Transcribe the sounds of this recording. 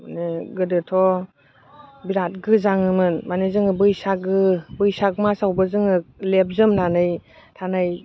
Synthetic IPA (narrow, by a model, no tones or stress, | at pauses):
maniɡɯdɯtʰɔ | biɾat̚ɡɯzaŋɯmɯnmanizɯŋɯbɯjsaɡɯbɯjsak̚masawbɯzɯŋɯlep̚zɯmnanɯj | tʰanɯj